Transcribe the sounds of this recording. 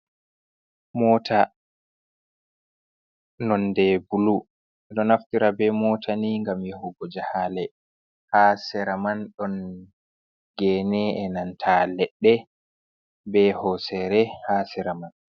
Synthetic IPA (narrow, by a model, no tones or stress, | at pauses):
mɔːtʰa | nɔndɛbulu | ɛɗɔnaftiɾabɛmɔtʰaniŋɡamjɛhɔɡod͡ʒahalɛ | hasɛɾamanɗɔn | ɡɛːnɛɛnantʰalɛɗːɛ | bɛhɔsɛɾɛhasɛɾaman